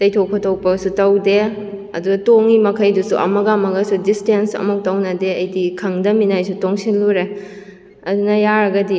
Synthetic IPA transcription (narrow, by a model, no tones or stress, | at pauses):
tɐjtʰok̚pʰɐtʰok̚pɐɡsutɐwde | ɐ̰duɡɐtoŋimɐkʰɐjdusuʔɐ̰mɐɡamɐɡɐsudistensɐ̰muk̚tɐwnɐdeɐjdikʰɐŋdɐminajsutoŋsinluɾe | ɐdunɐjaɾɐɡɐdi